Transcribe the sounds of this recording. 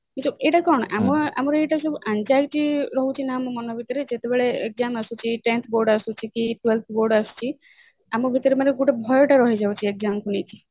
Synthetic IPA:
kisɔeʈakɔɾɔɽ̃ɔʔamɔa̰mɔɾejʈas̬ɔbʱuʔand͡ʒaɡʈiɾɔɦũt͡ʃʰinaːmɔmɔnɔbʱit̪ɔɾed͡ʒet̪ebeɭeḛk̚zamasut͡ʃʰiʈent̪ʰboɾɖasut͡ʃʰikiʈwelt̪ʰboɾɖasu̥t͡ʃʰi | amɔbʱit̪ɔɾemaneɡuʈebʱɔjɔʈaɾɔɦid͡ʒawt͡ʃʰiek̚zamkunit͡ʃʰi

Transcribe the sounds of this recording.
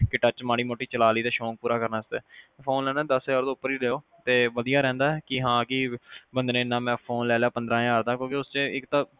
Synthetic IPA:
kɪʈət͡ʃmaːɽ̃iːmoːʈiːt͡ʃəlaːliːt̪eːʃõːk̚puːɾaːkəɾnaːɪst̪eːpʰoːnlɛːnaːd̪əsaːɾd̪oːʊpːəɾiːleːoː | t̪eːʋəd̪ijaːɾɛ̃ːnd̪aːɛkɪɦãːkɪbənd̪nẽːɪnːãːmɛ̃ːpʰoːnlɛːleaːpənd̪ɾãːjaːɾd̪aːkjõːkeʊst͡ʃeːɪkt̪ãː

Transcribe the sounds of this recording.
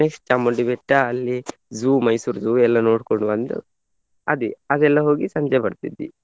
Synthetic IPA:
neksʈ̚t͡ʃɐmːɐɖiʋɛʈːɐːlːizuːmɐjsuːɾzuːɛlːɐnoːɽkoɳɖubɐnd̪ṵ | ɐ̰d̪iɐd̪ɛlːɐɦo̞ːɡisɐɲd͡ʒɛpɐɽt̪id̪ːḭ

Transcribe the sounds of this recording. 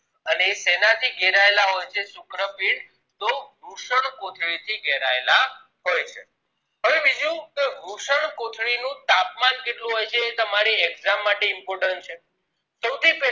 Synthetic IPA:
əneːsenat̪ʰiɡɛɾaelaɦojt͡ʃʰesʊkɾəpiɽ | t̪oɾuʃəɳkot̪ʰɭit̪ʰiɡɛɾaela | ɦojt͡ʃʰe | ɦəʋeʋid͡ʒũkeɾuʃəɳkot̪ʰɭinũt̪apmankeʈlũɦojt͡ʃʰeːt̪əmaɾiɛɡzamːaʈeɪmpɔɾʈəɳʈt͡ʃʰe | səwt̪ʰipɛ

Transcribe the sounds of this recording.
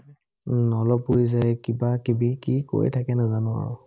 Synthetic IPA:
ɔlɔpːojzajkibakibikiko̰ɹḭtʰakɛnazanɔa̰ɹʊ

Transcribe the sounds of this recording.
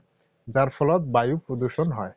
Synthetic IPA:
d͡ʑaɾfɔlɔt̪̚bajupɾod̪uɾʃonɦɔe

